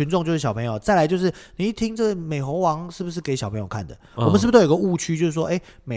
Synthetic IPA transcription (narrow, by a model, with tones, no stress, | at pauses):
y˧˦nʈ͡ʂʊ˥˧ŋt͡ɕjʊʂɻ̩˥˩ɕɑ˨ʊpʰə˧˦ŋjo˨˩ʊt͡sa˥˩ɪla˧˦ɪt͡ɕjo˥˧ʊʂ̬ɻ̩˥˩ni˨i˥˩t̪ʰi˥ŋʈ͡ʂɤ˥˩ɡə˩me˨˩ɪxo˧˥ŋwɑ˧˥ŋʂɻ̩˥˩bu˩ʂ̬ɻ̩˥˩ke˧˥ɪɕɑ˨˩pʰɤ˧˦ŋjo˨˩kʰa˥˩nd̪ə̰˩wɔ˨mənʂ̩˥˩b̪o˥˩o˨˩ɡə˧u˥˧t͡ɕʰy˥t͡ɕjo˥˧ʊʂɻ̩˥˩ʂoɔ˦ʔe˥ɪ | me˨